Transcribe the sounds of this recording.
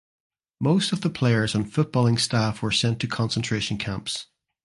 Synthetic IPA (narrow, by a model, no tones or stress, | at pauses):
mostəvðəpʰl̥eɪə˞z̃n̩fʊʔ̚b̥ɔlˠɪ̃ŋstafwə˞sɛ̃ntʰəkʰɒ̃nsə̃ntʰɹ̥eʃə̃nkʰãmps